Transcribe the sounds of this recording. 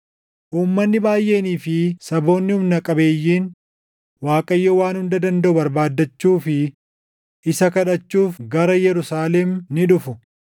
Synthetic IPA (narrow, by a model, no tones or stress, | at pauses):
ʔuːmːɐnːɪbaːjʔe̞ːniːfɪsɐbo̞ːnːɪhʊmnɐkʼɐbe̞ːjːiːn | waːkʼɐjːɔwaːnhʊnd̪ɐd̪ɐnd̪ɐʔʊbɐɾbaːd̪ːɐt͡ʃːuːfɪ | ʔɪsɐkɐᶑɐt͡ʃːuːfɡɐɾɐjɛɾʊsaːlɛmnɪᶑʊfʊ